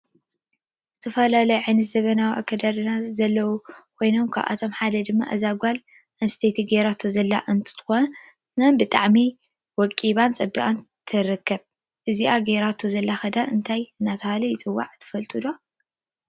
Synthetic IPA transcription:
zɨt̪ʰɐfɐlalɐjuʕɨnɨzɐβɐnawiʔa̰kʰːɐd̪ad̪ɨnazɐlːɐwukʰo̞jno̞mkʰa̰βʔa̰t̪ʰo̞mħad̪ɐd̪ɨmːa̰ʔɐzaɡʷal | ʔɐnst̪ʰet̪ʰiɡeɾat̪ʰuzɐlːa̰ʔɨnt̪ʰɨ̥t̪ʰɨ̥xon | nɐnbɨt̪ʼaʕmi | wɔkʼːiβant͡sʼɐbiʔʼant̪ʰɨɾɨkːɐβ | ʔɨziʔaɡeɾat̪ʰuzɐlːaxɐd̪aʔɨnt̪ʰajɨnːat̪ʰɐhalɐjɪt͡sʼɨwːa̰ʕt̪ʰɨ̥fɐlt̪ʼɨd̪o

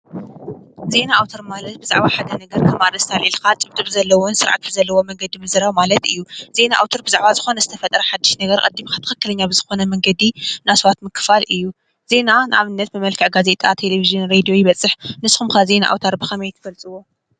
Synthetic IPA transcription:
ze̞naawt̪ʰoɾmalɐt̪̚bɨza̰ʕβaħad̪ɐnɐɡɐɾkʰɐmaɾɐst̪ʰalʔilkat̪ʼɨbt̪ʼɨβzɐlːɐwonsɨɾʕa̰t̪̚bɨzɐlːɐwo̞mɐŋɡɐd̪imɨzɨɾaβmalɐt̪ɨjːuz̥e̞naʔa̰wt̪ʰoɾbɨzaʕbazɨxo̞nɐzɨt̪ʰɐfɐt̪ʼɾɐħad̪ːɨʃnɐɡɐɾkʼɐd̪ːimixʰat̪ʰɨxɐkːɨlɐɲːabɨzɨxo̞nɐmɐŋɡɐd̪inasɐβat̪mɨkːɨ̥falʔɨjːu | ze̞nanɨʔaβɨnːɐt̪mɨmɐlkʰɨʕɡaze̞t̪ʼat̪ʰe̞levizijɨnɾed̪ijo̞jɪβɐt͡sʼːɨħnɨsxumkʰaze̞naʔa̰wt̪ʰaɾbɨxɐmɐjt̪ʰɨfɐlt͡sʼɨwo̞

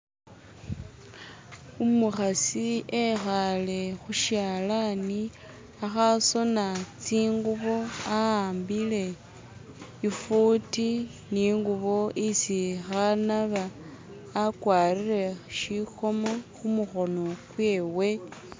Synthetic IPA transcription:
umuxasiexale̞xuʃjaːlani | axaso̞nat͡siːŋɡuβo̞aaːmbile̞ | ifuti | niŋɡuβo̞ʔisixanaβaː | kwaːrire̞ʃixo̞moxumuxo̞no̞kweːwe̞

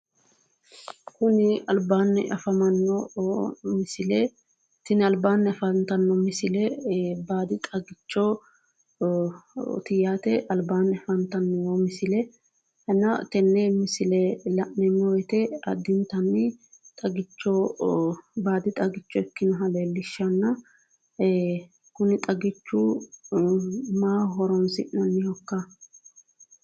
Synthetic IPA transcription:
kʊnɪɐlbaːnːɛ̰ʔɐfɐmɐnːɔ | mɪsɪlɛ | t̪ɪnɪɐlbaːnːɛɐfɐnt̪ɐnːɔmɪsɪlɛbaːd̪ɪt̪ʼɐɡɪt͡ʃːo | t̪ɪjaːt̪ɛʔɐlbaːnːɪɐfɐnt̪ɐnːɪwɔmɪsɪlɛ | hɛnːɐt̪ɛnːɛmɪsɪlɛlɐʔnɛmɔwɛt̪ɛɐ̰d̪ːɪnt̪ɐnːɪt̪ʼɐɡɪt͡ʃːɔ | baːd̪ɪt̪ʼɐɡɪt͡ʃːɔɛkːɪnɐɦɐlelːɪʃːɐnːɐ | kʊnɪt̪ʼɐɡɪt͡ʃːu | maːɦɔɾɔnsɪ̰ʔnɐnːɪhɔkːɐ

